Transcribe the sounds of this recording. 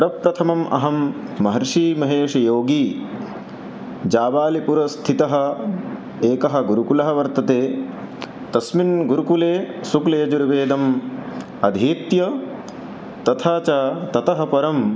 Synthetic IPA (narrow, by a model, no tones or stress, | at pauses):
ɾɐpɾɐt̪ʰɐmɐmʔɐ̰ɦɐmː | ɐɦɐɾʂiːmɐɦeːʂɐjoːɡiː | d͡ʒaːʋaːlipuɾɐst̪ʰit̪ɐɦɐ̆ | eːkɐɦɐ̆ɡuɾukulɐɦɐ̆ʋɐɾt̪ɐt̪eː | t̪ɐsminɡuɾukuleːsuklɐjɐd͡ʒuɾʋeːd̪ɐm | ɐd̪ʱiːt̪jɐ | t̪ɐt̪ʰaːt͡ʃaːt̪ɐt̪ɐɦɐ̆pɐɾɐm